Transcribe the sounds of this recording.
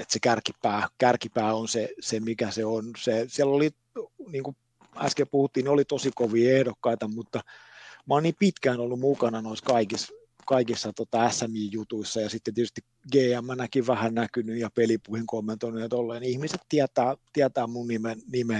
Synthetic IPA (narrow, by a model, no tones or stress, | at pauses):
et̪sekærkipæːkærkipæːonsesemikæseonsesiælːoli | niːŋku | æ̰skelpuhut̪ːiːniolit̪osikoʋiːehdokːɑit̪ɑmut̪ːɑmɑolniːpit̪kæːnolːummukɑnɑnoiskɑikis | kɑikisːɑt̪ot̪ɑæsːæmjiːjjut̪uisːɑjɑsit̪ːent̪iet̪yst̪i | ɡeːæmːænækiʋʋæhænnækynyjɑpelipuihiŋkomːent̪oinueɑt̪olːeːniihmiset̪t̪iæt̪æːt̪iæt̪æːmmunnimennime